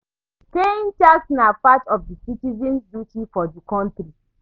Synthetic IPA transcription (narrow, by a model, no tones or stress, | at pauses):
teĩntasnapatɔfdisitizĩnsdutifɔdikɔ̃ntɾi